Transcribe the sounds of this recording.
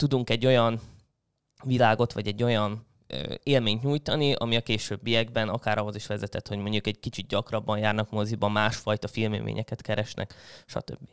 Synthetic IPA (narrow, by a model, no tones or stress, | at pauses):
t̪ud̪uŋkɛɟːo̞jɒn | vilaːɡo̞t̪ʋɒɟɛɟːo̞jɒnː | eːlmeːɲt̪ɲuːjt̪ɒniʔɒ̰miɒkeːʃøːbːijɛɡbɛnɒkaːɾʔɒɦo̞ziʃʋɛzɛt̪ɛt̪ho̞ɟmo̞ɲɟukɛɟ̚kit͡ʃit̪̚ɟɒkrɒbːɒjjaːrnɒkmozibɒmːaːʃfɒjt̪ɒfilmḛːmḛːɲʔɛkɛt̪kɛɾɛʃnʔɛ̰kʃɒ̰t̪ø̰bːi